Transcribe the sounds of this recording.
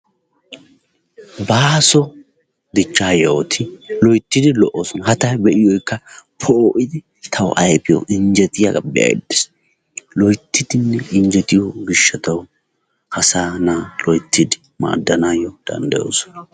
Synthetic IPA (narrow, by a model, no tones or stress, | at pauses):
baːsɔ | d̪ɪt͡ʃːaːjɛwɔt̪ʰɪlɔjt̪ːɪd̪ɪlɔʔːoːsɔnɐhɐt̪ɐjbɛʔɪjɔjkːɐpʰoʔɪd̪ɪ | t̪ʰɐw̰ʔɐjpɪjɔ̰ʔɪɲd͡ʒɛt̪ɪjɐ̰ɡɐ̰bːɪja̰ɛ̰d̪ːɪs | lɔjt̪ːɪd̪ɪnːɛɪnd͡ʒɛt̪ɪjoɡɪʃːɐt̪ɐw | hɐsaːnaːlɔjt̪ʰːɪd̪ɪ | ma̰ːd̪ːɐnaːjɔd̪̥ɐ̰nd̪ɐjo̰ːsɔ̥nɐ